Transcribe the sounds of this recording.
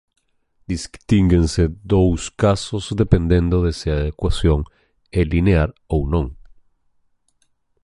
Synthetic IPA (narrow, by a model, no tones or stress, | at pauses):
d̪iskt̪iŋɡensed̪owskasozd̪epend̪ẽnd̪oðeseaðekwasjoŋ | elineaɾownõŋ